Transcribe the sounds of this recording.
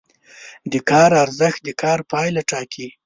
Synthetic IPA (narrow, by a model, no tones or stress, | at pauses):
d̪əkɑɾaɾzəxt̪̚d̪əkʰɑɾpɑjlaʈɑkʰi